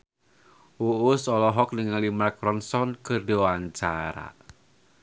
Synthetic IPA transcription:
uusɔlɔɦɔk̚dəŋalimakɾɔnsɔnkɨrdowaɲt͡ʃaɾa̰

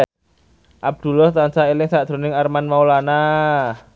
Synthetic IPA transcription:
ʔab̚d̪̥ṳlɔht̪ansaelɪŋsad̪̥ɾo̤nɪŋarmanmaulana

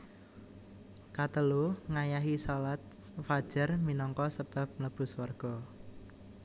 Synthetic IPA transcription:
kat̪əluŋajaɦisalat̪̚fad̥ʒ̥ərminɔŋkɔsəb̥a̤p̚mləb̥ʊ̤swarɡ̥ɔ

